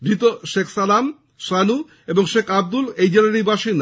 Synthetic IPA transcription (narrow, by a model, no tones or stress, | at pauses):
d̪ɾit̪oʃekʰsalam | ʃanu | eboŋʃekʰab̚d̪ulejd͡ʑelanibaʃin